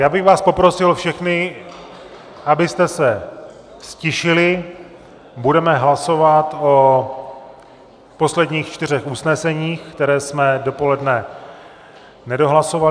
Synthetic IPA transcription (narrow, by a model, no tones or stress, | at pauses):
jaːbɪɣvaːspo̞pɾo̞sɪlfʃɛxnɪ | ʔabɪst̪ɛsɛ | fscɪʃɪlɪ | budɛmɛɦlaso̞vat̪o̞ | po̞slɛdɲiːxt͡ʃt̪ɪɾ̝ɛxusnɛsɛɲiːxkt̪ɛɾɛːsmɛdo̞po̞lɛdnɛ | nɛdo̞ɦlaso̞val